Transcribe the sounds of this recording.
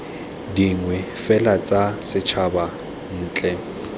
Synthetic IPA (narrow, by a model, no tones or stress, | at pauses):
diŋwɛfɛlat͡sʼasɪt͡ʃʰaba | n̩ːt͡ɬʼɛ